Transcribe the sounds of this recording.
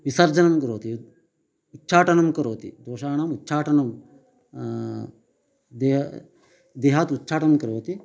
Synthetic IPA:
ʋisɐɾd͡ʒɐnɐmkɐɾoːt̪i | ut̪ːʃʰaːʈɐnɐmkɐɾoːt̪ḭd̪oːʃaːɳaːmut̪ːʃʰaːʈɐnɐm | d̪e | d̪eːɦat̪ut̪ːʃʰaːʈɐmkɐɾoːt̪i

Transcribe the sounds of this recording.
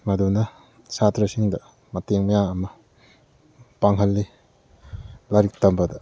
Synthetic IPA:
mɐdunɐ | satɾɐsiŋdɐ | mɐteŋmɐjaŋɐmɐ | paŋɦɐlːi | laɾik̚tɐmbɐdɐ

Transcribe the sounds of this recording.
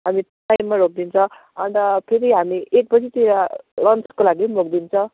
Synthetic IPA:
ɦamiʈajmːaɾok̚d̪int͡sʰʌ̃ | ʌnd̪ʌpʰeɾiɦamiʔek̚pʌt͡sʰit̪iɾalʌnt͡skolaɡimok̚d̪int͡sʰʌ̃

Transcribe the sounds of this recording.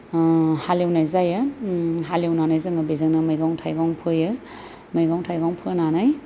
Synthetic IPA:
halewnajzajaɦalewnanajzɯŋabezɯŋnɐmajɡawŋtʰajɡawŋpʰɯjɯ | majɡawŋtʰajɡawŋpʰɯnanaj

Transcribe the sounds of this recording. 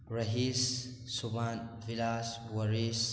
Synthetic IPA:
ɾɐɦisː | ubanvilas | wɐɾis

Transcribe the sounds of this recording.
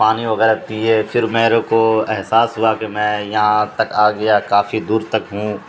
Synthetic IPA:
aːniʋɐɣɛːɾɐk̚t̪iɦɛːfʰɪɾmeːɾõkoɛɦsaːsɦʊakemɛ̃ːjɐɦãt̪ɐkaːɡɐjakaːfid̪uːɾt̪ɐkɦũː

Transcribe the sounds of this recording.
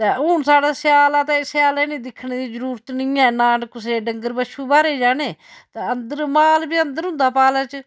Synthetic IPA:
t̪eːʊːɳsaːɽaːsjaːlaːt̪ãːɪseaːlaːɪnẽːd̪ɪkʰːneːd̪iːzəɾuːɾət̪nɪĩːɛ̃ːnaːɳkʊseːɖəŋɡəɾbəʃʰuːbaːɾeːd͡ʒaːneːt̪eənd̪əɾmaːlbiːənd̪əɾɦʊ̃nd̪aːpaːlaːt͡ʃ

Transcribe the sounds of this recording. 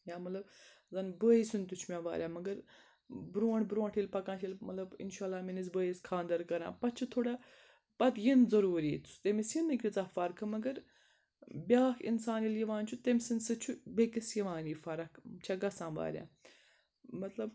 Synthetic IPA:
jaːmɐt̪lɐb | zɐnbəːisunt̪ut͡ʃʰmʲãːʋa̰ːɾʲaːmɐɡɐɾ | bɾuːɳbɾuːɳʈʰilpɐkãːt͡ʃʰilmɐlɐbḭnʃaːlːaːminizbəːjiskʰaːnd̪ɐɾkɐɾã̰ːpɐt͡ʃʰut̪ʰoːɽa | pɐt̪jinzɐɾuːɾiːt͡s̪ʰu̥st̪emisjinːɨkit͡saːfɐɾkʰɐmɐɡɐɾ | bʲaːkʰḭnsaːniljɐʋãːnt͡ʃʰut̪emisɨnsɨt͡ʃʰubʲeːkɐsjɐʋãːniːfɐɾɐkʰt͡ʃʰɐɡɐsãːʋa̰ːɾʲja̰ː | mɐt̪lɐb

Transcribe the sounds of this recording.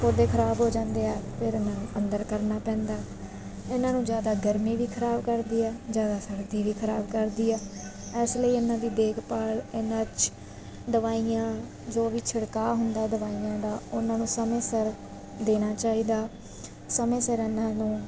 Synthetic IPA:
kod̪eːkʰəɾaːbɦoːd͡ʒãːnd̪eːɛːpʰɪɾɪnãːnũːʔənd̪əɾkəɾnaːpɛ̃ːnd̪aː | ɪnãːnũːd͡ʒjaːd̪aːɡəɾmiːʋiːkʰəɾaːbkəɾd̪iːɛːd͡ʒjaːd̪aːsəɽd̪iːʋiːkʰəɾaːbkəɾd̪iːɛːɛːsləiːɪnːãːd̪iːd̪eːkʰpaːlɪnãːt͡ʃ | d̪əʋaːijãː | d͡ʒoːʋiːt͡ʃʰəɽkaːɦʊnd̪aːd̪əʋaːiːãːd̪aːʊnãːnũːsəmẽːsəɾ | d̪eːnaːt͡ʃaːiːd̪aː | səmẽːsəɾɪnãːnũː

